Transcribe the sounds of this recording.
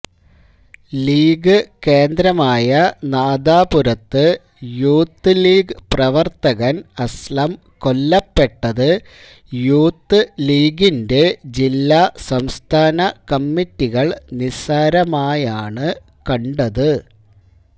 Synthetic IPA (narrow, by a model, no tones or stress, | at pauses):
liːɡɨke̞ːnd̪ɾɐmaːjɐnaːd̪aːpuɾɐt̪ːɨ | juːt̪ːɨliːɡɨprɐʋɐrt̪ɐɣɐnɐslɐm | ko̞lːɐpːe̞ʈːɐðɨ | juːt̪ːɨliːɡinde̞d͡ʑilːasɐmst̪ʰaːnɐkɐmːitːiɣɐɭnisaːɾɐmaːjaːɳɨ | kɐɳɖɐðɨ